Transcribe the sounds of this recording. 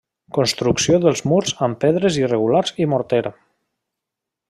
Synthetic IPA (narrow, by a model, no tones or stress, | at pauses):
konst̪ɾuksioðəlˠzmuɾzəmpeðɾəzirəɣ̞ulaɾzimuɾt̪eɾa